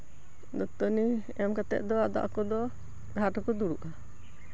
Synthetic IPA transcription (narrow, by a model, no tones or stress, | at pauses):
d̪ɔt̪ɔni | ɛmkat̪ɛ̰ʔ̪̚ˀd̪ɔad̪a̰ʔakɔd̪ɔ | ɡʱaʈɔkɔd̪uɽuʔa